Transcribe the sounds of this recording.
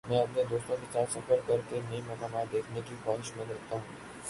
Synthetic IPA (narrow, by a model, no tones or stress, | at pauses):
mɛ̃ɐpned̪oːst̪õkit͡ʃaːɾsɐfəɾkɐɾkenɐĩmɐkaːmaːt̪̚d̪eːkʰnekikɔːnʃmɐ̃nɾɐkʰt̪aɦũː